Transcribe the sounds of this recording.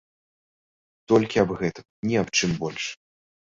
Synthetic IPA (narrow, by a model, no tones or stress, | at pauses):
t̪ɔlʲkʲiɐbɣɛt̪ɐmnʲiɐpt͡ʂɨmbɔlʲʂ